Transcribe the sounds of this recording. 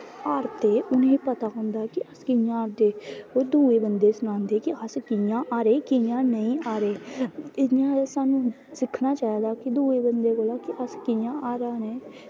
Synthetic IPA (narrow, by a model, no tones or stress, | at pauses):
aːɾt̪eːʔʊnẽːiːpət̪aːkɔ̃ːnd̪aːɦɛkɪəskɪjãaːɾt̪eːoːd̪uːeːbənd̪eːsʊnãːnd̪eːkɪəskɪjãːʔaːɾeːkɪjãːnəĩːaːɾeːɪãːsaːnũː | sɪkʰnaːt͡ʃaːed̪aːkɪd̪uːeːbənd̪eːkoːlaːkɪʔəskɪjãːʔaːɾaːnẽː